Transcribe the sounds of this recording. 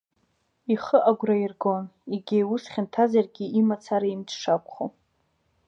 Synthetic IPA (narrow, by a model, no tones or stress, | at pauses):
iχəʔaɡʷrairɡo̞niɡʲejwusχʲɪntʰazarɡʲiimat͡sʰaɾaimt͡ʃʰʂakʷχo̰